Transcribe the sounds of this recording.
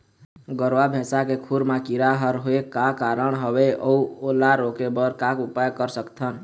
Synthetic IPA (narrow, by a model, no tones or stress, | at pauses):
ɡəɾwabʱẽsakekʰuɾmakiɾaɦəɾɦoekakaɾəɳɦəbeʔəuolaɾokebəɾkakupajkəɾsəkt̪ʰən